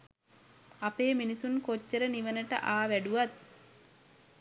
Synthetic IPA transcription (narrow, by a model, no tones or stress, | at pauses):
apeːminisunkot͡ʃːəɾəniʋənəʈə̰ʔaːʋæɖuʋat̪̚